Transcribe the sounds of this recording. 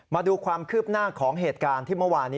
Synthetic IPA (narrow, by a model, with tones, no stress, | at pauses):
maː˧duː˧kʰwaː˧mkʰɯː˥˩p̚naː˥˩kʰɔː˩˦ŋɦeː˨˩t̪̚kaː˧nt̪ʰiː˥˩mɤ˥˩waː˧nːiː˦